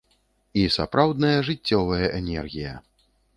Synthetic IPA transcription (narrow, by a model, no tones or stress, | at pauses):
isa̰pɾawd̪nɐjɐʐɨt͡sʲːɔvɐjɐʔɛnʲɛ̰rɣʲijɐ̰